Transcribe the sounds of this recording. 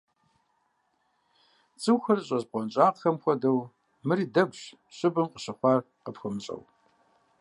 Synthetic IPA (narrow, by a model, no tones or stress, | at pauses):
t͡sʼɨwxɐrɕʼɐʑqʷɔnt͡ʃʼaːqxɐmxʷɔdɐw | mɨɾiːdɐɡʷɕ | ɕʼɪbɨmqəɕɪχʷɑːr | qəpxəmɕʼɐ̰w